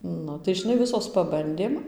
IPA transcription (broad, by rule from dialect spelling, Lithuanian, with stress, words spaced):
ˈnʊ tɐɪ ʒʲɪˈnɐɪ ˈʋʲɪsoːs pɐˈbɐnʲdʲeːm